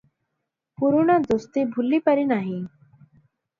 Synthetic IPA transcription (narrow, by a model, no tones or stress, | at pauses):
puɾuɳad͡zost̪ibʱulipəɾinaɦĩ